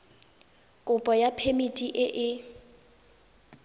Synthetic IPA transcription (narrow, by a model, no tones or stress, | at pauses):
kʼʊpʼɔjapʰemitʼiʔɪʔɪ